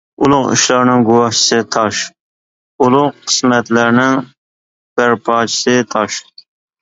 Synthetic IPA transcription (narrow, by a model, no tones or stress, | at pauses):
ulˠʊqḭʃlˠɑɾnɪŋɡuwɑht͡ʃʰɪ̥sɨt̪ʰɑʃ | ulˠʊqqʰə̥smɛt̪læɾnɪŋ | b̥æɾpʰɑːt͡ʃʰi̥sɨt̪ʰɑʃ